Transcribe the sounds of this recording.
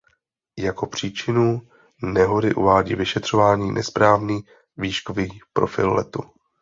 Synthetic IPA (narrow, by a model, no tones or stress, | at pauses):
jako̞pr̝̥iːt͡ʃɪnu | nɛɦo̞dɪʔuvaːɟḭːvɪʃɛt̪r̝̥ovaːɲiːnʔɛspɾaːvniː | viːʃkoviːpɾo̞fɪ̰lːɛ̰t̪u